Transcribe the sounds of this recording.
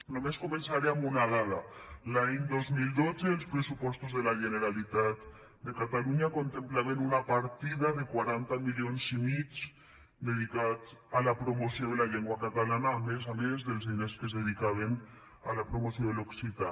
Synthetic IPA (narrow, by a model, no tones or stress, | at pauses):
nomeskomensaɾeamunaðaðalaend̪ozmild̪ot͡seːlspɾesupɔst̪ozðelaʒeneɾalit̪at̪̚ | d̪ekat̪aluɲakont̪emplaβenunapaɾt̪ið̞aðekwaɾant̪amiʎjonsimi | d̪eð̞ikat͡salapɾomoθjoðelaʎeŋɡwakat̪alanaːmes̬amezðelzðineskezðeð̞ikaβ̞en | a̰lapɾomoθjoðeloksit̪a